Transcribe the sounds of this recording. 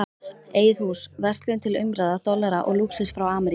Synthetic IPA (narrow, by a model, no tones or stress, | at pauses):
eːjðhusvɛr̥t̪lʏnt̪ʰɪlʏmɾaðat̪ɔlːɛɾaʔɔ̰ɣluksɪsfɾawaːmɛɾ